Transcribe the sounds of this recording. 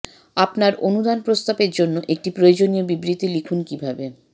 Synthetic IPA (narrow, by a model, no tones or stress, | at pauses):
apnaɾonud̪anpɾost̪apeɾd͡ʑonːoʔek̚ʈipɾojod͡ʑoniobibɾit̪ilikʰunkibʱabe